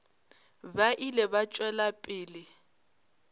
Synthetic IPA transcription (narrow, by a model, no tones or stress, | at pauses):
baʔilɛβat͡ʃʼwɛlapʼɪːlɪ